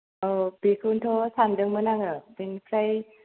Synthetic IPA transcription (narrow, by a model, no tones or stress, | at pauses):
ʔɤːpiːkʰɯːnt̪ʰoːsʰaːmdɯŋmɯnaŋapenkʰɾaj